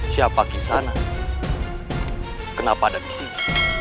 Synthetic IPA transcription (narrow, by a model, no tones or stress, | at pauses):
siapakisana | kənapaːdabisi